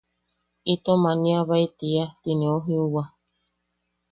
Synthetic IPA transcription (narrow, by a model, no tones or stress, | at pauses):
it̪omanĩaβait̪iat̪ineoɦĩuwa